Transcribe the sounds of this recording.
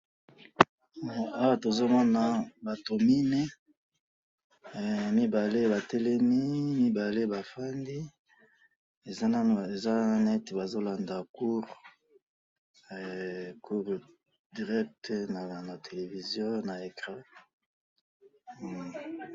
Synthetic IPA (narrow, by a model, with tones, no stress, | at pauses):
a˦wa˦˨to˨zo˦mɔ˦na˨ba˨to˨mi˦nɛ˦˨ | mi˦ba˨le˦ba˨tɛ˦lɛ˦mi˦mi˦ba˨le˦ba˨fa˦ndi˦ | e˨za˦n˦˨e˨za˦nɛ˦te˨ba˨zo˦la˨nda˨ku˦ʁ | ɛ˨ku˦ʁ | di˨ʁɛ˦k̚tna˨na˨tʰe˨le˨vi˨zjɔ̃˦na˨e˨kʁa˦˨